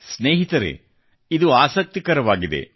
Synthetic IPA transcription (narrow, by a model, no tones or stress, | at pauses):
sneːɦit̪ɐɾḛ | id̪uaːsɐk̚t̪ikɐɾɐʋaːɡid̪ḛ